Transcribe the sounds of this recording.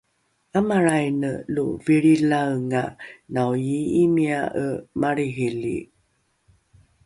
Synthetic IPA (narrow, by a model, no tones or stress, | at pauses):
amaɾajnəluviɭilawŋanawjiimiaʔəmaɾiɦilḭ